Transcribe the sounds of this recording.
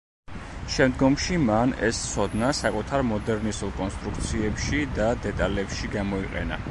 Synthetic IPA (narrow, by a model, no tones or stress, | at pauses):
ʃɛmd̪ɡɔmʃimanɛ̰st̪sʰɔd̪nasakʼut̪ʰaɾmɔd̪ɛɾnisulˠkʼɔnst̪ʼɾuk̚ʰt̪sʰiɛpʃid̪ad̪ɛt̪ʼalɛpʃiɡamɔiqʼɛ̰na̰